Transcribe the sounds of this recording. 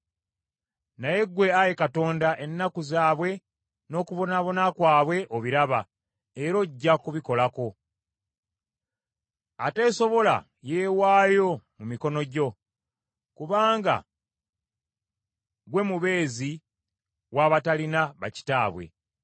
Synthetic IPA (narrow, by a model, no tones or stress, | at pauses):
naje̞ɡwe̞aje̞kato̞ːndaʔe̞nːakuzaːβwe̞ | no̞ːkuβonaβo̞nakwaːβwe̞ʔoβiɾaβa | eɾo̞ɟːakuβiko̞lako̞ | ate̞ːso̞βo̞la̰ | je̞ːwaːjo̞mumiko̞no̞ɟo̞ | kuβaːŋɡa̰ | ɡwe̞muβe̞ːzi | waːβatalinaβa̰ci̥taːβwe̞̰